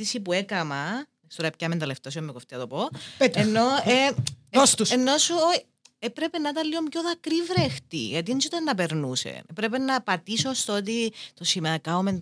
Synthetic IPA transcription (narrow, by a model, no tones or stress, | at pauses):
isipuekɐmɐ | st̪oɾɐpcɐmend̪ɐleft̪osimːekoft̪eɐt̪opopetenːoeost̪usenːosuo | epɾe̞penɐt̪ɐliomjoðɐkɾivɾext̪ḭʝɐt̪insot̪ɐnːɐpeɾnusḛepɾepenɐpɐt̪isost̪oot̪̬it̪osimɐkɐomen